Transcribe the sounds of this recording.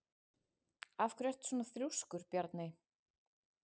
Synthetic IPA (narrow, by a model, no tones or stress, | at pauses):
afkʰɾɛr̥t̪sɔːnaθɾjuwskʏɾ̥pjaɾt̪nɪ